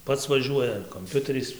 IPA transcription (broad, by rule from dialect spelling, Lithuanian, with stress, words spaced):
ˈpɐts ʋɐˈʒʲuɔjɛ ɐr koːmʲˈpʲʊtʲɛrʲɛɪs